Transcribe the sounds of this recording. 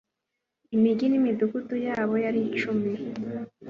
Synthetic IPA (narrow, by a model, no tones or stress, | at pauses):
imiɡinimidukutujaːβo̞jaɾit͡ʃumi